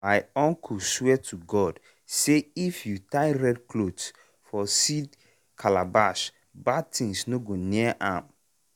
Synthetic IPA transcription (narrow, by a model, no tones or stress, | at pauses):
ajɔ̃ŋkʰuswɛtʰuɡɔd | seifjutaɪɹɛdkʰlods | fɔsid | kʰalabaʃ | bad̚tĩŋsnoɡoniɛʔãm